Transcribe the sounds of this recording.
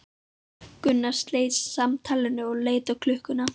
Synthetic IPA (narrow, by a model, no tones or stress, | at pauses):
kʏnːast̪leːjsːamt̪ʰaːlɪnːʏɔɣleːjt̪akʰlʏhkʏna